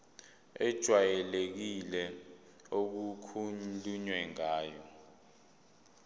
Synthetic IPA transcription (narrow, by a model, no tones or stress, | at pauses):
ɛd̥ʒ̥ʱwajɛlek̬ilɛ | ok̬ukʰuntʼuɲwɛŋaːjɔ